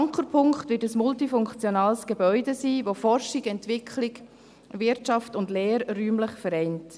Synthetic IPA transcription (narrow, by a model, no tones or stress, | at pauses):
ŋkəpʰʊŋkχtvɪːtəsmʊltifʊŋkt͡sjɔnaːlsɡ̥ebœʏdesiːvofɔrʃɪɡɛntvɪkʰlɪk | vɪɾtt͡ʃɑftʊndleːɾːyːmləχfɛɾɛɪnt